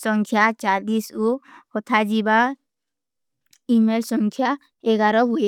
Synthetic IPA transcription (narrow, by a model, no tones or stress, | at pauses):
sɔŋkʰjat͡ʃalisuhɔt̪ʰad͡ʒiba | imelsɔŋkʰja | eɡaɾɔbue